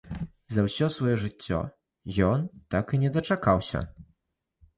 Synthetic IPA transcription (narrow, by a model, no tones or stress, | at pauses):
zɐwsʲɔsvajɔʐɨt͡sʲːɔ̰ | jɔnt̪akinʲɛd̪ɐt͡ʂakawsʲɐ̰